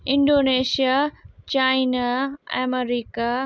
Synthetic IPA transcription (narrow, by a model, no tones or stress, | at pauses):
ɪ̃ɳɖoːneːʃijat͡ɕaːinaɛ̰meɾiːka